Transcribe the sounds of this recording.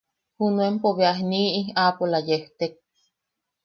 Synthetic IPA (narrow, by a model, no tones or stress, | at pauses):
hunuempoβeaɦniːʔiaːpolajeht̪ek̚